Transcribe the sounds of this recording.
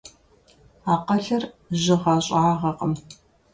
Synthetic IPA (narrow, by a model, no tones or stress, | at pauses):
aːqɐɬɐr | ʑɪʁɑɕʼaːʁɐqəm